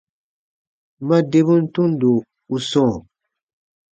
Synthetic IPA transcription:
ma˦de˦bu˦n̩˦tu˦n˦do˨ | u˨sɔ̃˦˨

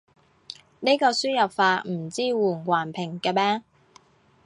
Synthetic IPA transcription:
ni˥kɔː˧syː˥jɐ˨p̚faː˧tm̩˨˩t͡siː˥wuː˨˩nwaː˨˩npʰɪ˨˩ŋkɛː˧mɛː˥

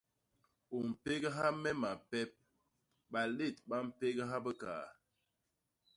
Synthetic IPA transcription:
o˨m̩˨pe˦ɡə˦ɦa˦mɛ˦ma˨pɛ˦p̚ | ba˨le˦˨tɓa˦m̩˨pe˦ɡə˦ɦa˦bə˦ka̰˨

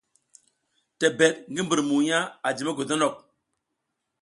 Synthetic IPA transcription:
tɛ˨bɛ˨t̚ŋɡi˦mbi˨ɾmu˨ja˦a˨d͡ʒi˨mɛ˦ɡo˨dɔ˦nɔ˦˨k̚

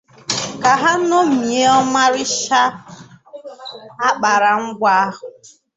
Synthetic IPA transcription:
ka˨ɦa˦no˦m̩˨i˨e˦ɔ˦ma˦ɾɪ˦ʃa˦ | a˦k͡pa˨ɾa˨ŋ͡m̩˦ɡʷa˦a˦ɦʊ˨

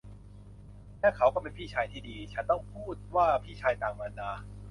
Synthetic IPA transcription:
lɛː˥˩kʰa˦˥wkɔ˥˩pe˧npʰiː˥˩t͡ɕʰaː˧jt̪ʰiː˥˩diː˧t͡ɕʰa˦˥nt̪ɔ˥˩ŋpʰuː˥˩t̪̚waː˥˩pʰiː˥˩t͡ɕʰaː˧jt̪aː˨˩ŋmaː˧ndaː˧

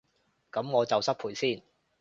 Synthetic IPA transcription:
kɐ˨˥mŋɔː˨˧t͡sɐ˨wsɐ˥t̚pʰuː˨˥jsiː˥˩n

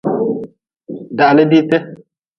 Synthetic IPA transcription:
da˨lɪ˦di˦tɛ˦

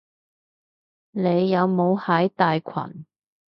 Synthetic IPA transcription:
ne˨˧jːɐ˨˧wmo˨˧whɐ˨˥jt̪aː˨˧jkʰɐ̰˨˩n

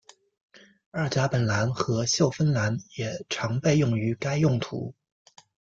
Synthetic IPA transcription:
ə˞˥˩t͡ɕa˧˥pə˨˩nla˧˥nxɤ˧˥ɕjo˥˩ʊfə˥nla˧˥njɛ˨˩ʈ͡ʂʰɑ˧˥ŋpe˥˧ɪjʊ˥˩ŋy˧˥ka˥ɪjʊ˥˩ŋt̪ʰṵ˧˥

